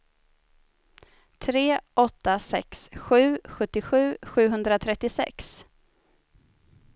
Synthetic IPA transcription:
t̪ʰɾeːʔɔt̪ːasɛ̰ksɧʉ̟ːɧɵt̪ːɪɧʉ̟ːɧʉ̟ːɦɵnd̪ɾat̪ʰɾɛt̪ːɪsɛ̰ks

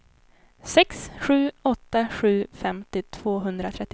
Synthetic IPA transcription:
sɛksɧʉ̟ːɔt̪ːaɧʉ̟ːfɛmt̪ɪt̪ʰv̥oːɦɵnd̪ɾat̪ʰɾɛt̪ː

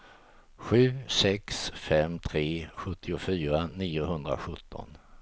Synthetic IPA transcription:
ɧʉ̟ːsɛksfɛmt̪ʰɾeːɧɵt̪ʰːɪʊfyːɾaniːʊɦɵnd̪ɾa̰ɧɵt̪ʰːɔ̰n

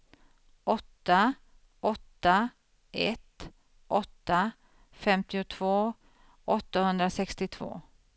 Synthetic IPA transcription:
ɔt̪ːa | ɔt̪ːa | ʔɛt̪ | ʔɔt̪ːa | fɛmt̪ɪʊt̪ʰv̥oː | ʔɔt̪ːahɵnd̪ɾasɛkst̪ɪt̪ʰv̥o̰ː

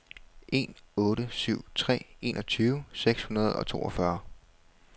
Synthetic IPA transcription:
ʔe̝̰nɔ̽ːɾəsyʊ̰t͡sʰʁɛ̰ːe̝nʔɒ̽t͡sʰyːʊəseɡ̥shunɐð̞ˠɒ̽t͡sʰo̝̰ːɒ̽fɶɐ

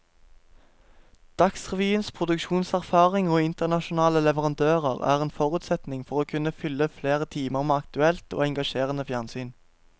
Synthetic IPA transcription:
d̪̥ɑksʁɛʋiːənspʰʁʊd̪ʉkʃuːnsæʁfɑːʁɪŋoːɪnt̪əʁnɑʃʊnɑːləlɛʋəʁɑnd̪øːʁəʁæ̰ːʁeːnfɔʁʉːt̪sɛt̪nɪŋfɔʁoːkʰʉnəfʏlːəfleːʁət̪ʰiːməʁmeːɑkt̪ʉɛlt̪o̰ːɛŋɡɑʃeːʁənəfjæʁnsyːn

